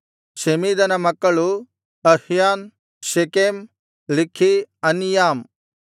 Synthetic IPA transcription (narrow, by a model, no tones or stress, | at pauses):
ʃemiːd̪ɐnɐmɐkːɐɭu | ɐhjaːn | ʃekeːm | likʰːiɐnjaːm